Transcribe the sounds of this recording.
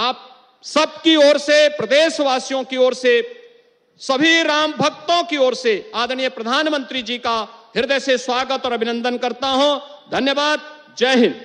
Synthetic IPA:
aːp̚ | sɐb̚kiɔːɾsepɾɐd̪eːʃʋaːsjõkiɔːɾse | sɐbʱiɾaːmbʱɐk̚t̪õkiɔːɾseaːd̪əɽ̃ijəpɾɐd̪ʱaːnmə̃nt̪ɾid͡ʒiːkaɦɪɾd̪ɛseswaːɡət̪ɔːɾɐbʱɪnə̃nd̪ənkɐɾt̪aɦõːd̪ʱɐnjəbaːd̪̚ | d͡ʒɛːɦɪn

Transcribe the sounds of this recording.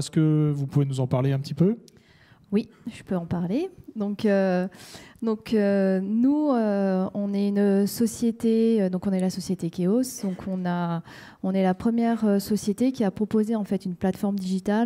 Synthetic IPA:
ɛskəvupuvenuzɑ̃paʁleɛ̃pət̪ipø | wiʒ̥əpøɑ̃paʁled̪ɔ̃kø | d̪ɔ̃kønuøɔ̃nɛynsɔsjet̪eød̪ɔ̃kɔ̃nɛlasɔsjet̪ekʲeosd̪ɔ̃kʰɔ̃na | ɔ̃nɛlapχəmjɛʁøsɔsjet̪ekʲiapχɔpozeɑ̃fɛt̪ynplat̪fɔʁmd̪iʒit̪al

